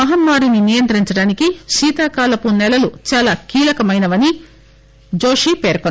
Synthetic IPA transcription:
ɐɦɐmːaːɾuninijɐnt̪ɐɾiɲt͡ʃɐɽaːnikiʃiːt̪aːkaːlɐpunːɛlɐlut͡ʃaːlaːkiːlɐkɐmɐjnɐʋɐni | d͡ʒo̞ːʂipeːɾkon

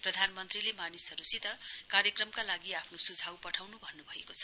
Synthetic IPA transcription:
prʌd̪ʱanmʌnt̪rilemanisʌɾusit̪ʌkarjʌkrʌmkalaɡiapʰnosud͡zʱawpʌʈʰawnubʱʌnːubʱʌekot͡sʰʌ̥

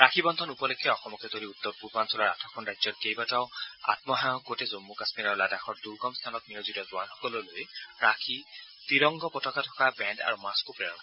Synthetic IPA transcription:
ɹakʰibɔnd̪ʱɔnupɔlekʰːaɔxɔmɔket̪oɾiut̪ːɔɹpuɹbansɔlaɹa̰tʰɔkʰɔnɹajzɔtkejbataʊa̰t̪mɔɦajɔkɡotɛzomːukasmiɾɔɹladaxʰɔɹd̪uɹɡɔmst̪ʰanɔt̚nijozudɔzʊwanxɔkɔlolojɹakʰitiɹɔŋɡɔpɔtɔkatʰɔ̥kabɛnda̰ɹumaskupɹɛɹɔn

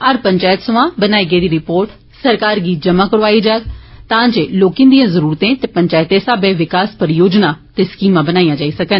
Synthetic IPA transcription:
əɾpəɲt͡ʃaːjɪt̪səʋãːbənaːiːɡəiːd̪iːɾɪpoːɾʈ | səɾkaːɾɡiːd͡ʒəmãːkəɽʋaːiːd͡ʒaːɡt̪ãːd͡ʒeːloːkĩːnd̪ijãːzəɾuːɾt̪ẽːt̪eːpəɲt͡ʃaːjɪt̪eːsaːbẽːʋɪkaːspəɾjoːd͡ʒnaːt̪eːskiːmãːbənaːijãːd͡ʒaːiːsəkən

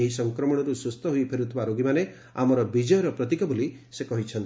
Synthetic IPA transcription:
ɦisɔŋkɾɔmɔɽ̃ɔɾusust̪ɔɦujpʰeɾut̪ʰɔbaɾoɡimane | amɔɾɔbid͡ʒɔjɔɾɔpɾɔt̪ikɔboli | sekɔɦit͡ʃʰɔnt̪

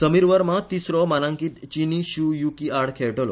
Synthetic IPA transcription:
səmiɾʋəɾmat̪isɾɔmanãŋkit̪t͡ɕiniɕujukiaɽkʰeɭʈolɔ

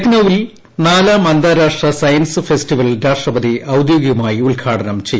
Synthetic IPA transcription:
et̪nɐʋil | naːlamɐnd̪aːɾaːʂʈrɐsɐjɐnsɨfesʈiʋɐld̪ʱaːrʂrɐbɐd̪iʔɐwd̪joːɡiɣumaːjiulkʰaːʈɐnɐmt͡ɕejː

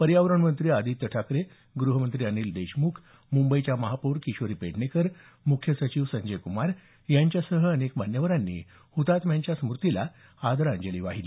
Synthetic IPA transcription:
pəɾjaʋɾəɳmənt̪ɾiːad̪it̪ːəʈʰakɾe | ɡɾuɦəmənt̪ɾiːəniːld̪eɕmuːkʰ | mumbəit͡ɕjaməɦapuɾkiɕʋəɾiːpeɽnekəɾ | mukʰjəsət͡ɕiʋsəɲd͡ʑəjkumaɾ | jaɲt͡ɕjasəɦəːnekm̤anjəʋəɾanːḭː | hut̪at̪mjaɲt͡ɕjasəmuɾt̪ila | ad̪əɾaɲd͡ʑeliːʋaɦili

